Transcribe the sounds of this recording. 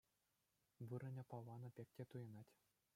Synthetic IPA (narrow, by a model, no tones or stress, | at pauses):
ʋɯɾɤ̆nʲɤ̆pɑlˠːɑnɤ̆pʲek̚ʲtʲet̪ujɤ̆nɑtʲ